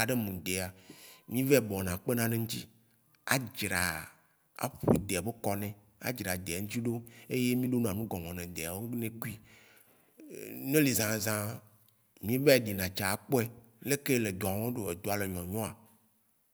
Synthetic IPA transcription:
a˨ɖe˦mũ˨d̪e˨a˨mĩ˦vɛ˦˨bɔ̃˨nã˨k͡pe˦nã˦nẽ˦ŋ̩ũ˦t̪i˦ | a̰˦d͡ʒɾa˨ | a̰˨ɸu˦i˦˨d̪e˨be˦kɔ˦nɛ̃˨ | a̰˦d͡ʒɾa˨d̪e˨a˨ŋũ˦t͡ɕi˦ɖo˦e˦je˦mĩ˦ɖo˦ñ˨ã˨nũ˦ɡɔ˨ŋɔ̃˨nẽ˨d̪e˨a˨wo˦nẽ˦ku˦i˦ | nẽ˦li˨zã˨zã˦ | mĩ˦vɛ˦˨ɖi˨nã˨t͡ʃa˨a˨k͡po˦ɛ˦ | le˦ke˦le˨d̪o˨a˨wɔ̃˦ɖo˨e˨d̪o˨a˨le˨ɲɔ̃˨ɲɔ̃˦a˨

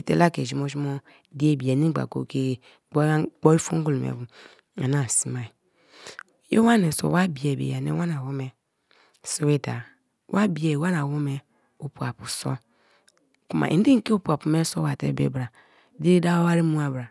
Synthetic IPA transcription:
i˨tḛ˦la˦ke˨d͡ʒi˨mo˦ʒi˦mo˦ | di˦e˦˨bi˨a˨ni˦ɡ͡ba̰˨ko̰˨ke˦˨˦ | k͡po˦i˦fṵ˦ɡu˦lmḛ˨bu˨ | a̰˨na˦˨si˦ma˨i˨ | jo̰˦wa˦ne˨so̰˨wa˦bi˨e˨bḛ˨ja˨nḛ˦wa˦na˨wo˦me˨ | so˦we˦da˨ | wʔa˦bi˨e˨wa˦na˨wo˦me˨ | u˨pu˨a˨pu˨so̰˦ | ku˦ma̰˨ʔḭ˨n˦di˦ke˦u˦˨pu˨a˨pu˨me˦so˦wa˨tḛ˦bḛ˨bɾa˨ | di˦ɾi˦da˦o˦wa˦ɾi˦mu˦a˨bɾa˨

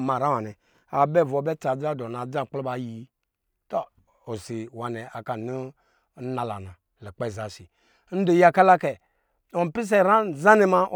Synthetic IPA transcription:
ma˨ɾa˦wa˨nɛ˨ | a˨bɛ˦˨vo˨bɛ˦t͡sa˨d͡za˦˨do˨na˨d͡za˦˨k͡plo˦ba˨ji˨˦ | ta˦ | o˨si˨wa˨nɛ˨a˨ka˨nu˦ | na˨la̰˨na˨ | lo˨k͡pa˦˨za˨si˨˦ | n̩˦do˨ji˦a˨ka˦la˦kɛ˨ | o˨pi˦s̬e˦˨ɾa˦n˨za˦ni˦ma˦˨

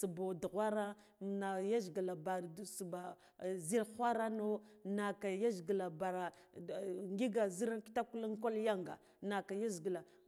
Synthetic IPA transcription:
su˨bo˨du˨ɣʷa˦ɾa˦˨ | na˨ja˦zɡla˨ba˨ɾsu˨ba˨ | zi˦lxʷa˦ɾa˦no˦na˨ka˨ja˦zɡə˨la˨ba˨ɾa˨ | ŋɡi˦ɡa˨zi˦ɾa˦nki̥˦ta˦ku˦la˦ŋko˦lja˦ŋɡa̰˨ | na˨ka˨ja˦zɡə˨la˨

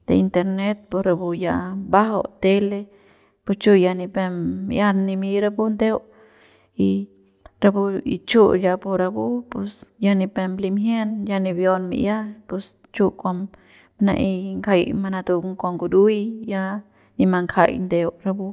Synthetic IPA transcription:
d̪̥e˧i˧nt̪e˧ɾne˦t̪̚po˧sɾa˧bu˧ja˧ba˦ɦo˧t̪e˦le˧ | pu˧st͡ʃu˦˧ja˧ni˧pe˧mːḭ˧ja˦ɾni˧mi˧ɾa˧bu˦nd̪e˦w | i˧ | ɾa˧bu˧ḭ˧t͡ʃu˦ja˧bu˧ɾa˧bu˦pu˧sja˧ni˧pe˧mli˧mɦje˦nja˧ni˧bjo˧nmḭ˧ʔja˦pu˧s | t͡ʃu˦kʷa˧m | na̰˧˨ʔi˧ŋkʰa˧jma˧na˧d̪u˧ŋkʷa˧ŋɡu˧d̪u˦jja˧ | ni˧ma˧ŋkʰa̰˧jnd̪e˧wɾa˧bu˧

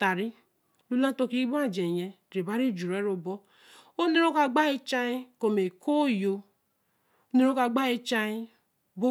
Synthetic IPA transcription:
ta˨ɾi˦ | lu˦lã˦to˧˦ki˦ɡ͡ba˦˨d͡ʒe˨jɛ˨ | ɾe˨ba˦ɾi˦˨d͡ʒu˨ɾe˨˦ɾo˨bɔ˦ | o˦ne˦ɾo˦ka˧ɡ͡ba˦e˦t͡ʃa˦i˦ko˨me˨kʰo˦jo˧ | o˦ne˦ɾo˦ka˧ɡ͡ba˦e˦t͡ʃa˧ji˦ | bo˦

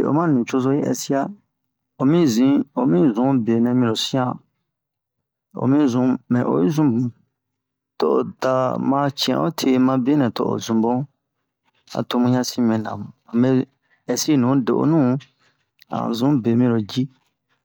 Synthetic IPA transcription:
e˨o̰˨mã˦nũ˨t͡ʃo˧zo˦ji˦ʔɛ̰˨si˦a˦ | o˨mĩ˦zĩ˦o˨mĩ˦zũ˨˦be˨nɛ̃˨mĩ˨o˨sĩ˦ã˦ | o̰˨mĩ˦zũ˨mɛ̃˨ʔo̰˨ji˦zũ˦bũ˨ | to˦˨o̰˨da˨mã˧t͡ʃɛ̰̃˨ʔo˦tʰe˦mã˧be˦nɛ̃˨to˦ʔo̰˨zũ˨bõ˦ | a̰˨to˧mũ˦ɲã˦sĩ˦mɛ̃˨nã̰˨m˨ã˨me˦ | ɛ˨si˦˨nũ˨˦de˨ʔo̰˨˦nũ˦ | ã̰˨zũ˨˦be˨mĩ˧˦ɾo˨d͡ʒi˦

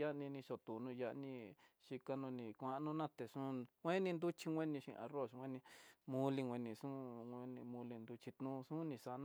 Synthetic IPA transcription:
a˦ʔnĩ˧nĩ˧ʂo˧t̪u˨nũ˧ja˧˦ʔnĩ˧ʃi˧ka˧nũ˧nĩ˧kʷã˧˦ʔnũ˧nã˦t̪e˨ʂũ˦ŋʷẽ˦nĩ˧nd̪u˦t͡ʃi˧ŋʷẽ˦nĩ˧ʃḭ̃˧ʔa̰˧ro˦˨ʂŋʷwʷẽ˦nĩ˧mũ˧li˧ŋʷwʷẽ˧nĩ˧ʂũ˦e˧nĩ˧mũ˧li˧nd̪u˧t͡ʃi˧t̪nũː˦˧sũ˦nĩ˧sa˧nã˧

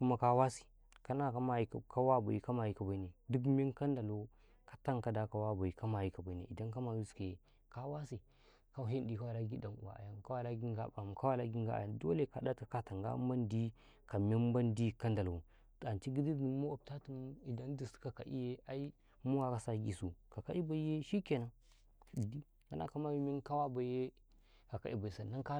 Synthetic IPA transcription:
ku˦ma˦ka˦wa˦si̥˨ | ka˦na˦ka˦ma˨ji˦kka˦wa˦ba̰˨i˦˨ka˦ma˨ji˦ka˨ba˨i˦ne˨du˦k̬mi˦nka˦nda˨lo˦ | kḁ˨ta˦ŋka˨da˨ka˨wa˦ba˨i˨ka˦ma˨ji˦ka˨ba˨i˨nḛ˨i˨da˦ka˦ma˨ju˦ske˨ | ka˦wa˦si˨ | ka˦ɦe˦ndi˨ka˦wa˨la˦ɡi˦da˨nṵ˨a̰˨a̰˨ja˦nka˦wa˦la˦ɡi˦ŋɡa˦ba˨m˨ka˦wa˦la˦ɡi˦ŋ˦ɡa̰˦a̰˨ja˨ndo̰˦le˦˨ka˨da˦tkḁ˨ka˦ta˨ŋɡa̰˦m˦ba˦ndi˦ | ka˨me˦m˦ba˦ndi˦ka˦nda˨lu˨ | a˨nt͡ʃi˦ɡi˦di˦ni˨˦mo˦a˨b̚ta˦tu˦m˦i˨da˦n˦di˨ska˨ka̰˨ʔḭ˦je˦a˦i˦ | mu˦wa˨ka˨sa˦ɡi˨su˨ka˨ka˦i˦ba˨i˦je˦ʃi˦ke˨na˨˦˨ | di˦ | ka˨na̰˦ka˦ma˦ji˦mi˦n˦ka˦wa˦ba˨˦je˦ | ka˨ka̰˨ʔi˨ba˨i˨sa˨na˦ŋka˦

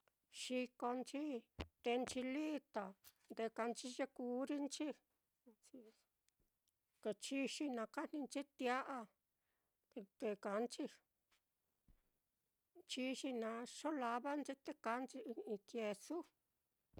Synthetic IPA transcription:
ʃi˧ko˧nt͡ʃi˦t̪e˧nt͡ʃi˧li˦t̪a˨nd̪e˧ka˧nt͡ʃi˧ʒe˧ku˧˦ɾi˦nt͡ʃi˦˧ | ke˧t͡ʃi˧˦ʃi˧nã˧ka˦n̥ĩ˧nt͡ʃi˦t̪ja˦ʔa˧ | e˧t̪e˧ka˨˧nt͡ʃi˦˧ | t͡ʃi˧ʃi˧nã˧ʂo˦la˧βa˦nt͡ʃi˦t̪e˦ka˧˦nt͡ʃi˧ĩ˧kje˧su˦

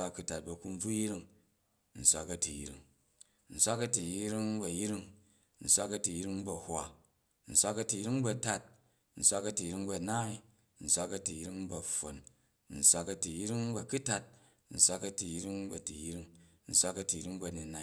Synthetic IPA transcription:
a˦˧ku˧ta˨t̚bɐ˧ku˧n˦b͡vu˦ji˦ɾi˧ŋ | n̩˨sʷa˧kɐ˧ti˨jḭ˦ɾḭ˦ŋ | n̩˨sʷa˦kɐ˧ti˨ji˦ɾi˦ŋ˦bɐ˨ji˦ɾi˦ŋ | n̩˨sʷa˦kɐ˧ti˨ji˦ɾi˦ŋ˦bɐ˨hwʷa˨ | n̩˨sʷa˧kɐ˧ti˨ji˦ɾi˦ŋbɐ˧ta˦t̚ | n̩˨sʷa˧kɐ˧ti˨jɾi˧˦ŋbɐ˧naː˦i˦ | n̩˨sʷa˧kɐ˧ti˨ji˦ɾi˦ŋ˦bɐ˨ɸo˨n | n̩˨sʷa˧kɐ˧ti˨ji˦ɾi˦ŋ˦bɐ˨ku˦ta˧t̚ | n̩˨sʷa˧kɐ˧ti˨ji˦ɾi˦ŋ˦bɐ˨ti˨ji˦ɾi˧ŋ | n̩˨sʷa˦kɐ˧ti˨ji˦ɾi˦ŋbɐ˧ni˨na˧

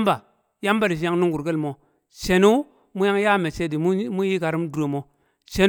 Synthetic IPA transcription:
mba˨ | ja˦mba˦ɾi˨ʃi˨˦ja˦ŋnu˦ŋɡu˨ɾɡe˦lmo˨ | t͡ʃe˨nu˦ | mu˦ja˦ŋja˦˨me˨t͡ʃe˦di˨m˦mu˦ji˦ka˨ɾi˦mdu˨e˨mo˨ | t͡ʃe˨n

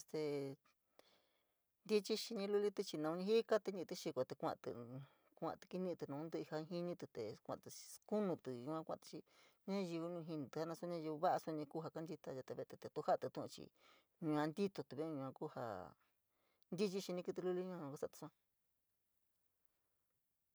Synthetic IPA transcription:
st̪e˧ | nd̪i˦t͡ʃi˦ʃi˧ɲĩ˧lu˦˧li˦t̪i˧t͡ʃi˧nã˧ũ˧ɲĩ˧ɦi˦ka˦t̪e˧ɲĩ˧t̪ɨ˧ʃi˧kʷo˧t̪e˧kʷã̰˧ʔt̪ɨ̰˧˨ | kʷã̰˧˨t̪u̥˧ki˦nĩ˧t̪u˧nã˧ũ˧˦d̪ɨ˧i˧hã˧ɦi˦nĩ˦t̪u˧t̪e˨kʷã̰˧ʔt̪ɨ˧ku˦nũ˧t̪u˨jũ˧ã˦˧kʷã̰˧t̪ɨ̥˧t͡ʃi˧ɲã˦ʒi˧βu˧ũ˧ɦi˧nĩ˧t̪ɨ˧ha˧nã˧so˦ɲã˦ʒi˧βu˧βa˦ʔa˧su˧ɲĩ˧kuː˦ɦa˧ka˦nd̪i˧t̪a˧a˧t̪e˧βe˧t̪e˧t̪e˨˧t̪u˧ha˦˧t̪u˧t̪ũ˦˧ʔṵ̃˧t͡ʃḭ˧ | ɲũ˧ã˧nd̪i˦t̪o˧t̪u˧βe˦˧ɲũ˧ã˧ku˦ha̰˧ | nd̪i˦t͡ʃi˦ʃi˧nĩ˧kɨ˧t̪̬ɨ˧lu˦li˧˦ɲũ˧ã˧ũ˧ka˦sa˦˧˨t̪u̥˧ũ˧ã˧

